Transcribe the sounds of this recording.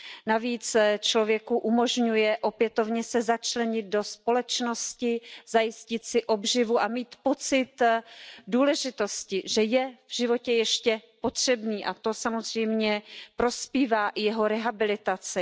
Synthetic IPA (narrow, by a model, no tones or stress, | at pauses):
naviːt͡st͡ʃlo̞vjɛkuʔumo̞ʒɲujɛʔo̞pjɛt̪o̞vɲɛsɛzat͡ʃlɛɲɪd̪̚do̞spo̞lɛt͡ʃno̞scɪzajɪscɪt̪sɪʔo̞bʒɪvuʔamiːt̪po̞t͡sɪt̪ | duːlɛʒɪt̪o̞scɪʒɛjɛvʒɪvo̞cɛjɛʃcɛpo̞t̪r̝̥ɛbniːʔa̰t̪o̞samo̞zr̝̥ɛjmɲɛpɾo̞spiːvaːʔɪjɛɦo̞ɾɛɦabɪlɪt̪at͡sɪ